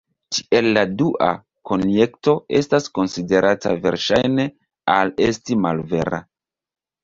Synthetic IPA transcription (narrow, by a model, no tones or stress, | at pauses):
ti̥e̞lːaduʔa̰ | ko̞nje̞kto̞e̞stasko̞nside̞ɾʔata̰ve̞̰ɾʃajne̞ | ale̞stimalve̞ɾa̰